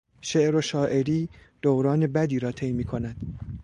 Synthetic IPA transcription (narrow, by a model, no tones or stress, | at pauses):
ʃeʔɾoʃɒːʔeɾiːd̪̥owɾɒːne̞bæd̪iːɾɒːt̪ʰe̞jmiːkʰo̞næd̪̥